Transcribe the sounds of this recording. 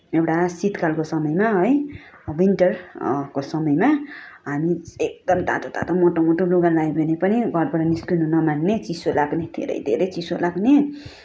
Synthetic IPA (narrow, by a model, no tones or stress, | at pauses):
ewʈasit̪kalkosʌmʌjmaɦʌjwinʈʌrkosʌmʌjmaɦamiek̚d̪ʌmt̪a̰t̪ot̪a̰t̪omoʈomoʈoluɡalajbʱenepʌniɡʱʌɾbaʈʌniskununʌmanːet͡sisolaɡned̪ʱḛɾʌ̰jd̪ʱḛɾʌjt͡sisolaɡne